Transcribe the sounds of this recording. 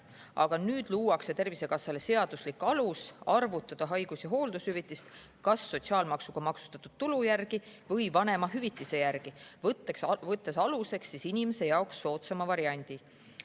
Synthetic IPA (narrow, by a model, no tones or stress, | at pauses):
ʔɑɡ̥ɑnyːd̪̥luːwɑkse̞t̪e̞rvise̞kɑsːɑle̞se̞ɑd̪̥uslikːɑlusɑrvut̪ːˑɑd̪̥ɑɦɑjɡ̥usjɑɦo̞ːld̪ushyvit̪ːˑist̪ | kɑsːo̞t̪siɑːlmɑksuɡ̥ɑmɑksu̥t̪ɑt̪ːˑud̪̥̚t̪ːulujærɡ̥ivɤjvɑne̞mɑɦyvit̪ːˑise̞jærɡ̥ivt̪ːekvɤt̪ːˑe̞sɑluse̞ksːisinʲime̞se̞jɑoksːo̞ːt̪sɑmɑvɑɾiɑnʲd̪̥i